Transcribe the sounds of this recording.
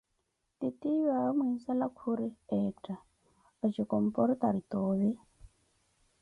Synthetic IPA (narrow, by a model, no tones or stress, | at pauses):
t̪it̪ijamisalakʰuɾiɛtʼa | at͡ʃikɔm̩pɔɾit̪aɾit̪oːβi